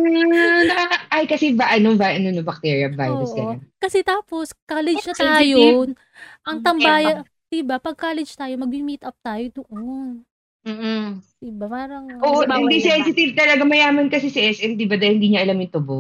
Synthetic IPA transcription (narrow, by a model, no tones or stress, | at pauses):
nɐaʔajkɐsɛbaʔɐnovaʔɐnonobɐk̚t̪ɛɹiɐva̰jɾɐskɐjakɐsɛt̪aːpo̞skaːlɛd͡ʒnɐt̪ɐaɐɡːɐjo | ʔɐŋt̪ɐmbaːjɐ | d̪̥ibapɐɡ̚kaːlɛd͡ʒt̪aːjomɐɡ̚mimit̪ʔɐp̚t̪aːjod̪ʊʔon | m̩ːʔ | ɪbapaːɾɐŋʔoːʔʔohɪnd̪isɛnsɪt̪ɪvt̪ɐlɐɡamɐjaːmɐnkɐsɛsɐʔɛsʔɛmd̪ibɐd̪ɐlhɪnd̪iːɲɐʔɐlamjʊnt̪ʊbo